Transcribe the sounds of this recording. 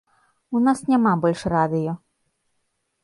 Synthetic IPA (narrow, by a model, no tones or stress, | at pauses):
unasnʲamabɔlʲʂrad̪ɨjɔ